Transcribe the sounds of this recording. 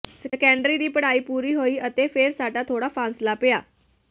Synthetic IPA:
səəkəɳɖɾiɾiːpəɽ̤aiːpuɾiːɦoiːət̪efeɾsaʈat̪ʰoɽafãnslapeja

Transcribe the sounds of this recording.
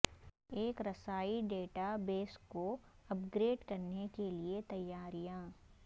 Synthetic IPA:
eːkɾɐsaːiɖeːʈabeːskoɐpɡɾeːɖkɐɾnekeliet̪ɐjːaːɾijãː

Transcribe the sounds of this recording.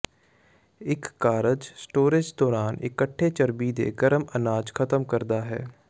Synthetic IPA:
ɪkːaːɾəd͡ʒsʈoːɾɪd͡ʒd̪ɔːɾaːnɪkəʈʰːeːt͡ʃəɾbid̪ḛːɡəɾəmənaːd͡ʒkʰət̪əmkəɾd̪aːɦɛ̰ː

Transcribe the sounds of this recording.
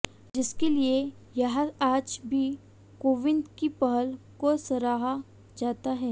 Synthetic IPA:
d͡ʒɪskelie | jɐɦãaːd͡ʒbʱi | koːʋɪ̃nd̪kipɐɦəl | kosɐɾaːɦa | d͡ʒaːt̪aɦɛː

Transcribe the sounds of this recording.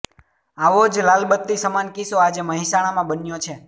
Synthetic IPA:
aʋod͡ʒlalbət̪ːisəmankisoad͡ʒeməɦĩsaɽ̃amãbənjot͡ʃʰe

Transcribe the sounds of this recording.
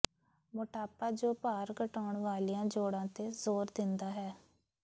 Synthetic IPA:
mʊʈaːpaːd͡ʒoːpaːɾkəʈaːɳʋaːliːãːd͡ʒoːɽãːt̪eːzoːɾd̪ɪnd̪aːɦɛː

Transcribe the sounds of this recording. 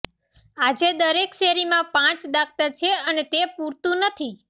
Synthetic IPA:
ad͡ʒed̪əɾekʃeɾimãpãt͡ʃd̪ak̚t̪at͡ʃʰeənet̪epuɾt̪ũnət̪ʰi

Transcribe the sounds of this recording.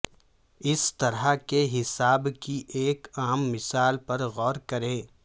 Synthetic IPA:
ɪst̪ɐɾakeɦɪsaːbkiʔeːkaːmːɪsaːlpɐɾɣɔːɾkɐɾẽː

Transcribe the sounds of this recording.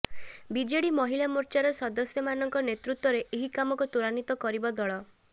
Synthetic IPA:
bid͡ʒeɽimɔɦilamuɾt͡ʃaɾɔsɔd̪ɔsjɔmanɔŋkɔnet̪ɾut̪wɔɾeʔeɦikamɔkut̪uɾanit̪ɔkɔɾibɔd̪ɔɭɔ

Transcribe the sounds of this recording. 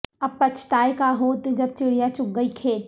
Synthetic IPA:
ɐpːɐt͡ʃʰʈ̪aːjekaɦoːt̪d͡ʒɐb̚t͡ʃɪɽ̤ijat͡ʃʊk̚ɡəikʰeːt̪

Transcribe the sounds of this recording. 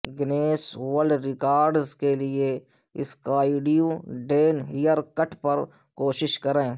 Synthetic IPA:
ɡɪneːswəlɾɪkaːɾɖzkelɪe | ɪskaːiːɖijũɖeːnɦijəɾkəʈʰpɐɾ | koːʃɪʃkɐɾẽː

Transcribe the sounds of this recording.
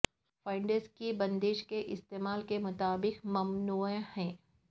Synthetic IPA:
faːɪɳɖəɾzkibɐ̃nd̪eːʃkeʔɪst̪eːmaːlkemʊt̪aːbɪkmɐmnuːhɛ̃ː

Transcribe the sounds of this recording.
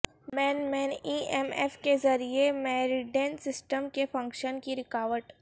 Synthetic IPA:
mɛːnmɛːniːɛmɛfkezɐɾiemɛːɾɪɖeːnsɪsʈəmkefɐ̃ŋkʃənkiɾɪkaːʋəʈ

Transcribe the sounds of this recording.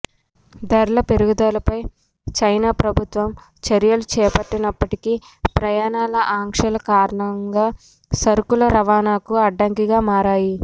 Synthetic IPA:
d̪ɐɾlɐpeɾuɡud̪aːlɐpɐj | t͡ʃɐjnaːpɾɐbʱut̪ʋɐm | t͡ʃɐɾjɐlut͡ʃɛːpɐʈːinɐpːɐʈiki | pɾɐjaːnaːlɐʔaːŋkʂɐlɐkaːɾɐɳɐŋɡaː | sɐɾkulɐɾɐʋaːnaːkuɐɖːɐŋkiɡaːmaːɾaːji

